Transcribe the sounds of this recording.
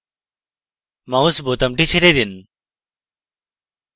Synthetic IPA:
mausbot̪ɐmʈit͡ɕʰiɾed̪in

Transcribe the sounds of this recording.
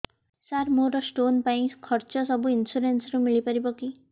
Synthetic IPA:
saɾmoɾɔsʈonpaĩkʰɔɾt͡ʃɔsɔbuinsuɾensɔɾumiɭipɔɾibɔki

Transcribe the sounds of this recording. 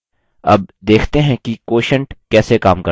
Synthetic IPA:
ɐ̰b̚d̪eːkʰt̪eɦɛ̃kikoːʃə̃ɳʈkɛːsekaːmkɐ

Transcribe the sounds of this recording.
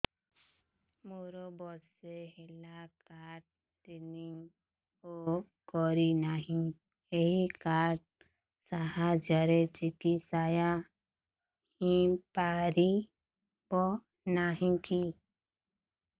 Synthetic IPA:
moɾɔbɔsehelakaʈ̚ | tiniŋ | o | kɔɾinaɦĩ | eɦikaɾʈ̚ | saɦad͡ʒaɾet͡ʃikisaja | hĩpaɾi | pɔ | naɦĩki

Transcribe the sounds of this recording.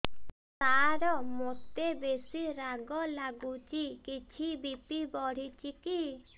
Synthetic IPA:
t̪aɾɔmot̪ebesiɾaɡɔlaɡut͡ʃikit͡ʃʰibipibɔɽ̤it͡ʃiki

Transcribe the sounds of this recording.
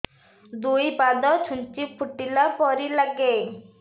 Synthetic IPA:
d̪ujbad̪ɔt͡ʃʰunt͡ʃipʰuʈilapɔɾilaɡe

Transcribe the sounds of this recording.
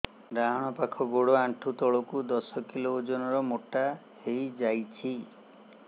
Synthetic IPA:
ɾaɦɔɽ̃ɔpakʰɔɡoɽɔaɳʈʰut̪ɔɭɔkud̪ɔsɔkilod͡ʒɔnɔɾɔmoʈa | hejd͡ʒajt͡ʃʰi

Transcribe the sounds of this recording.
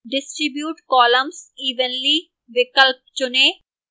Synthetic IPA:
ɖɪsʈɾibjuʈkɔlɐmsiʋənli | ʋikəlp̚t͡ʃone

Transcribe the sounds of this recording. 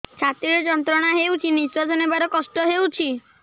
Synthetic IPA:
t͡ʃʰat̪ɾiɾɔd͡ʒɔnt̪ɾɔɽ̃aɦewt͡ʃʰiniswɔd͡ʒɔnebaɾɔkɔsʈɔɦewt͡ʃʰi

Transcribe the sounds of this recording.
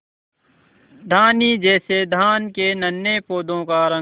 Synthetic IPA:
d̪ʱaːniːd͡ʒɛːsed̪ʱaːnkenənːepoːd̪õːkaɾə̃

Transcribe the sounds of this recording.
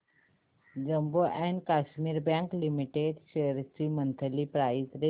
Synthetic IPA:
d͡ʒəmboʔɛ̃ɳɖkaːʃmiːɾbãːŋklimiʈeɖʃeɾsɾimə̃nt̪ʰəlipɾaːɪzɾe

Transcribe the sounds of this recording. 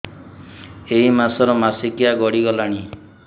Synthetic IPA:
eɦimasɔɾɔmasikiaɡɔɽiɡɔlaɽ̃i

